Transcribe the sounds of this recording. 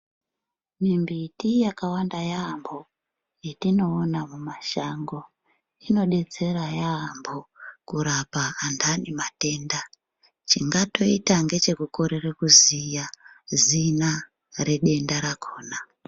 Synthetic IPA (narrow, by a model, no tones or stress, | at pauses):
mimbitijakawandajaːmbʱo̞ | jitino̞ːnamumaʃaŋɡo̞ | ino̞ɗe̞t͡se̞ɾajaːmbʱokuɾapaːndʰanimate̞ːnda | t͡ʃiŋɡato̞itaŋɡe̞t͡ʃe̞kuko̞ɾerekuzija | zina | re̞ɗe̞ndaɾakʰo̞ːna